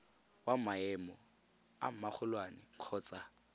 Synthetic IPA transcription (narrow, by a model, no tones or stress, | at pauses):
wam̩maɛmɔ | a̰m̩mak͡xʰʊlwanɪq͡χʰɔːt͡sʼa